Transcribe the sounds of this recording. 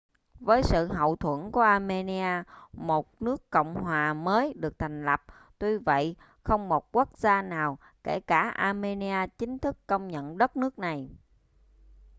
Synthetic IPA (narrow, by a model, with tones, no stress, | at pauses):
vəː˨˦jsɨ̰˧˨ɦə̰˧˨wt̪ʰwə˧˩nku˧˩əʔaː˧me˧ni˧aː˧mo˨˩t̚nɨ˦˥əkːo̰˧˨wŋ͡mhwaː˨˩məː˨˦jɗɨ˨˩ək̚t̪ʰa˨˩jŋ̟lə˨˩p̚ | t̪wi˧və̰˧˨j | xə˧wŋ͡mmo˨˩t̚ku˦˥ək̚z̥aː˧naː˨˩w | ke˧˩kaː˧˩ʔaː˧me˧ni˧aː˧t͡ɕï˨˦ŋ̟t̪ʰɨ˦˥kːə˧wŋ͡mɲə̰˧˨nɗə˦˥t̚nɨ˦˥ək̚na˨˩j